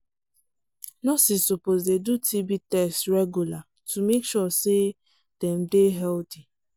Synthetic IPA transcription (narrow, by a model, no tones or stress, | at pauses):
nɔsisupozdedutʰibitɛstɹɛɡjula | tumekʃɔse | d̥ɛm̩deɦɛlti